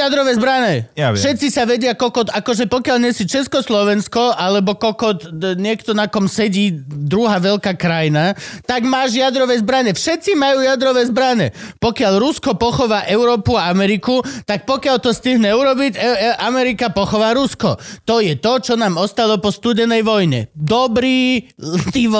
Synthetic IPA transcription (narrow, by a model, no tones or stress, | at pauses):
jad̪ɾɔʋɛːzbɾaɲɛafʃɛt̪t͡sisaʋɛɟɪakɔkɔt̪akɔʒɛpɔkɪaʎɲɛsit͡ʃɛskɔslɔʋɛnskɔʔalɛbɔkɔkɔt̪ɲɪɛkt̪ɔnakɔmsɛɟiːd̪ɾuɦaːʋɛlkaːkɾajinat̪aɡmaːʒjad̪ɾɔʋɛzbɾaɲɛfʃɛt̪t͡simajuːjad̪ɾɔʋɛzbɾaɲɛ̰pɔkɪaʎɾuskɔpɔxɔʋaːʔɛʊɾɔːpuaamɛɾikut̪ak̚pɔkɪaʎt̪ɔst̪iɦɲɛuɾɔbiɟɛʔamɛɾikapɔxɔʋaːɾuskɔ̰t̪ɔjɛt̪ɔt͡ʃɔnaːmɔst̪alɔpɔst̪udɛnɛjʋɔjɲɛ̰d̪ɔbɾiːt̪iːʋ